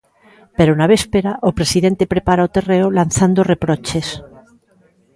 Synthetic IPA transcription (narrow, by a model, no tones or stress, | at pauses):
peɾonaβespeɾaʔopɾe̞siðe̞nt̪e̞pɾepaɾaot̪e̞reolanθand̪ore̞pɾot͡ʃes